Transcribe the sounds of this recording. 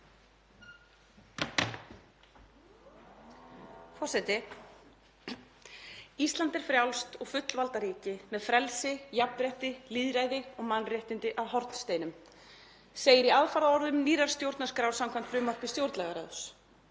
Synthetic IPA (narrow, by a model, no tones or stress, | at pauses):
fɔrsɛt̪ɪ | ist̪lant̪ɛɾ̥fɾjawlst̪ɔɣfʏt̪lvalt̪aɾiːcɪmɛðfɾɛlsɪjap̚nɾɛht̪ɪliːðɾajðɪɔɣmanrjɪht̪ɪnt̪ɪʔaðɦɔɾt̪n̥st̪eːjnʏm | seːjɪɾiaðfaɾðaɔɾðʏmiːɾaɾ̥st̪jowɾt̪naskɾawɾsamkʰamn̥t̪fɾʏːmːar̥pɪst̪jowɾt̪lɛɣaɾaðʏs